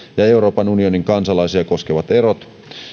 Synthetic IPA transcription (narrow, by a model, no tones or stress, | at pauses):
jɑe̞uɾo̞ːpɑnunio̞niŋkɑnsɑlɑisiɑko̞skeʋɑt̪e̞ɾot̪